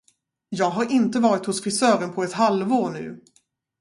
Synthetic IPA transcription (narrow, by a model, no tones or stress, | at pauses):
jɑːɡɦaɾʔɪnt̪əvɑːɾɪt̪hʊsfɾɪsœːɾənpʰɔɛt̪ɦalvoːɳʉ̟̰ː